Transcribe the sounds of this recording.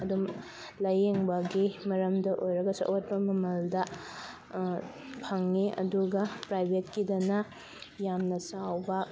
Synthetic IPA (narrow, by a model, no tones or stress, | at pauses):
ɐdum | lɐjeŋbɐɡimɐɾɐmdɐʔojɾɐɡɐsɐ̰ʔot̚pɐmɐmɐldɐ | pʰɐŋːiɐ̰duɡɐpɾajbʱetkidɐnɐ | jamnɐsawbɐ